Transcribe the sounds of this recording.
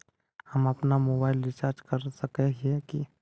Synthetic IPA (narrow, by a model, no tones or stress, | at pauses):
həməpnamoːbaːɪlːɪt͡ʃaːɾd͡ʒkəɾsəkeɦeki